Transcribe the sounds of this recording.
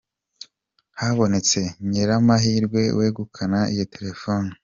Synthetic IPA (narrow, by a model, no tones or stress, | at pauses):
haβo̞ne̞t͡se̞ɲeɾamaɦiːɾɡwe̞wʔeːɡukʰanaijotʰe̞ɾe̞foni